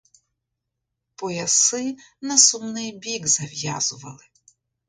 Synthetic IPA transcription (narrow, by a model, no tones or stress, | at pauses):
pɔjɐsɪ | nɐsumnɪjbʲiɡzɐʋʲja̰zʊʋɐlˠɪ